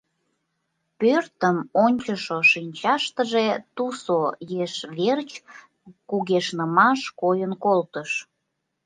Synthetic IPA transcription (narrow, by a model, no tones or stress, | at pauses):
pørt̪əmonʲt͡ɕəʃoʃinʲt͡ɕɑʃt̪əʒet̪usojeʃβert͡ɕ | kuɣeʃnəmɑʃkojənkolt̪əʃ